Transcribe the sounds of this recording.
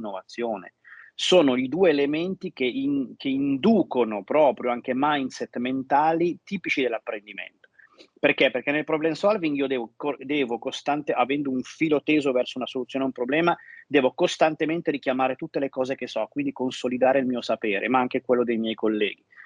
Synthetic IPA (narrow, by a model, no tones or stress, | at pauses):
nːovat̪sːjoːnḛ | soːnoid̪uːeːlement̪ik̟eʔinkʰeind̪uːkonopɾɔːpɾjoaŋk̟emajnsɛt̪ment̪aːlit̪iːpit͡ʃid̪elːapːɾend̪imḛnt̪o̥ | perkepːerk̟enːelpɾoblɛnsɔlviŋɡiːod̪ɛːvokod̪ɛːvokost̪ant̪eʔavɛnd̪ouɱfiːlot̪eːzovɛrsounasolut̪sjoːneumpɾoblɛːmad̪ɛːvokost̪ant̪ement̪eɾik̟jamaːɾet̪ut̪ːelekɔːzekesɔkwind̪ikonsolid̪aːɾeilmiːosapeːɾʔḛmaaŋk̟ekwelːod̪ejmjɛjkolːɛːɡi